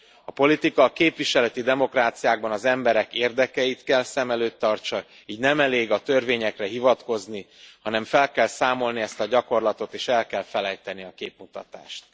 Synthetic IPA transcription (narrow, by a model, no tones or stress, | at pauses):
ɒpo̞lit̪ikɒkeːpʋiʃɛlɛt̪id̪ɛmo̞kraːt̪sijaːɡ̚bɒnɒzɛmbɛɾɛkeːrd̪ɛkɛjit̪kɛlsɛmɛløːt̪ːɒrt͡ʃɒ | iːɟnɛmɛleːɡɒt̪ørveːɲɛkrɛɦivɒt̪ko̞znihɒnɛɱfɛlkɛlsaːmo̞lniɛst̪ɒɟɒko̞rlɒt̪o̞t̪eːʃɛlkɛlfɛlɛjt̪ɛniɒkeːpmut̪ɒ̰t̪a̰ːʃt̪